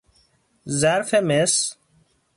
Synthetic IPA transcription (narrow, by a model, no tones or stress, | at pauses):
zaɾfemes